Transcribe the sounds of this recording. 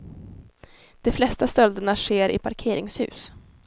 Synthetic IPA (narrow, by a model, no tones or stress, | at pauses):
d̪̥ɔflɛst̪ast̪œld̪əɳaʂeːɾɪ̰pʰaɾkʰeːɾɪŋshʉ̟̰ːs